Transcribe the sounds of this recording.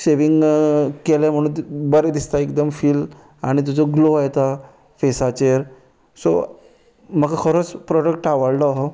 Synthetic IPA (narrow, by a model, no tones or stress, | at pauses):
seʋiŋɡkelẽm̤əɽ̃ũːbəɾed̪ist̪aekd̪əmfiːl | aɽ̃it̪̬ut͡sɔɡloajt̪a | fesat͡ɕeɾ | so̰ | məkakʰəɾot͡spɾɔɖəkʈaʋəɽlɔɦɔ